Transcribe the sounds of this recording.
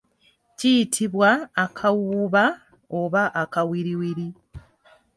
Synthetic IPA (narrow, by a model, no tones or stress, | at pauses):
cijitʰiβwaːkʰawuβa | oβaʔakawiɾiwiɾi